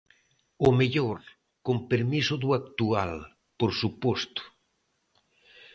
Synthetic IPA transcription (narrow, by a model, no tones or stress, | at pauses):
omeʎoɾ | kompeɾmisʊðuakt̪ua̰l | poɾsupost̪ʊ̥